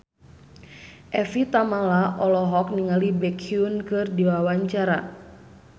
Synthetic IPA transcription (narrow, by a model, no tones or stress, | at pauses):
ʔɛfit̪amalaʔɔlɔɦɔk̚niŋalibɛkʰiunkɨrdiwawaɲt͡ʃaɾa